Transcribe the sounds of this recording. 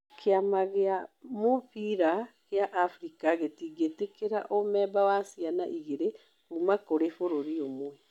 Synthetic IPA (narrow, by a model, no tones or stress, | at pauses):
kʰeamaɣeamofiɾaɣeaʔafɾikaɣetiːɡetekeɾaʔomɛːbawasiana̰ʔiɣeɾe | umakoɾefoɾoɾiomwɛ